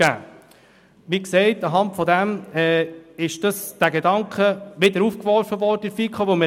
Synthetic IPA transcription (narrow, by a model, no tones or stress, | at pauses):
æ̰ː | ʋiksɛɪtɑɦɑntfɔdæmɛɪʃd̥ɑsd̥æɡedɑŋkχəʋɪdəɾufkʋɔɾfəʋɔɾdəɪfikχoʋomə